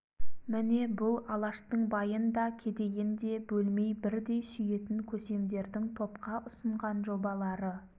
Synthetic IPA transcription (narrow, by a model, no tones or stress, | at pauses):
mɪne̞bʊlˠɑlˠɑʃt̪əɴbɑjənd̪ɑkʲʰe̞d̪e̞ɡʲend̪e̞bɵlme̞jbɪɾd̪e̞jsʏje̞t̪ɪŋkʲʰɵse̞md̪e̞ɾd̪ɪŋt̪ʰo̞pqɑʔʊsəɴʁɑnʒo̞bɑlˠɑɾə